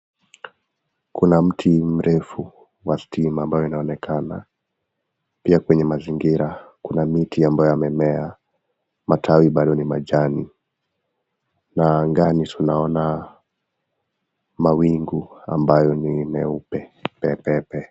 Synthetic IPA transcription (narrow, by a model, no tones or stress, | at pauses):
kunam̩tʰim̩ɾɛfu | wastʰimaːmbajɔinaɔnɛkʰana̰ | piakwɛɲɛmaziŋɡiɾakunamitiambajɔjamɛmɛa | matʰawiɓaɗɔnimaʄani | naŋɡanitunaɔna | mawiŋɡua̰mbajɔnimɛupɛpɛpɛpɛ